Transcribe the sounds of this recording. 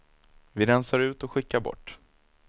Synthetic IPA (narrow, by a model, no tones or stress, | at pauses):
vɪɾɛnsaɾʉ̟ːt̪ɔɧɪkːaɾbɔ̰ʈː